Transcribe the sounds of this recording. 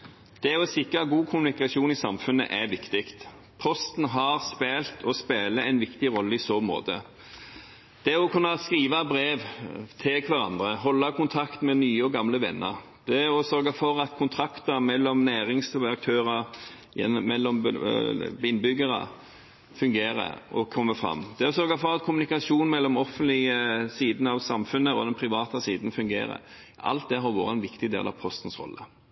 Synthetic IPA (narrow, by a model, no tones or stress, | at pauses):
d̪̥ɛɔsɪkɾɑɡuːkʰʊmʉnɪkɑʃuːnɪsɑmfʉnə̰ʔɛʋɪkt̪ɪkt̪ | pʰɔst̪n̩ɦɑʁspeːlt̪ʰɔspeːləɛɪnʋɪkt̪ɪʁɔlːəɪsoːmo̰ːd̪ə̰ | d̪̥ɛɔkʰʉnːɑskʁiːʋɑbɾeːʋt̪ʰɪlkʰʋæɾɑ̰nd̪ʁəɦɔlːɑkʰʊnt̪ʰɑkt̪mɛnyːəɔɡɑmləʋɛ̰nːʔə̰ | d̪̥ɛɔsœɾɡɑfɔɾɑt̪kʰʊnt̪ʰɾɑkt̪əmɛlːɔmnæːʁɪŋsɑk̚t̪ʰøːʁɑ | jɛ̰mɛlːɔm | ɪnːbʏɡəʁɑ̰ | fʉŋɡeːɾə̰ɔkʰɔmːəfɾɑ̰mːd̪̥ɛɔsœɾɡɑfɔʁɑt̪kʰʊmʉnɪkɑsuːnmɛlːɔmɔfənt̪lɪəsiːd̪n̩ɑʋsɑmfʉnːəɔ̰d̪ɛnpʰɾɪʋɑːt̪ɑsiːd̪nfʉŋɡḛːɾə̰ | ɑ̰lt̪̚d̪ɛɦɑʁʋo̰ːʁəɛnʋɪkt̪ɪd̪ḛːlɑpʰɔst̪n̩sʁɔ̰lːə